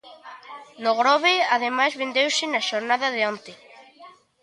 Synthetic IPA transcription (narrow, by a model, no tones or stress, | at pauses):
noɣɾɔβeaðemajzβend̪ewsɪnaʃoɾnað̞aðeõnt̪ɪ